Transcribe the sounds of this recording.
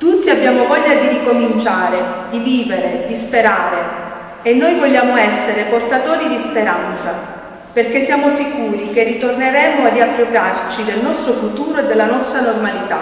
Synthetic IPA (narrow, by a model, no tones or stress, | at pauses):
t̪ut̪ːiabːjaːmovɔʎːad̪iɾikomint͡ʃaːɾed̪iviːveɾed̪ispeɾaːɾe | enːojvoʎːaːmoɛsːeɾeport̪at̪oːɾid̪ispeɾant̪sa | perk̟esːjaːmosikuːɾikerːit̪orneɾɛːmoadiapːɾopɾjart͡ʃid̪elnɔst̪ɾofut̪uːɾoed̪ːelːanɔst̪ɾanormalit̪a̰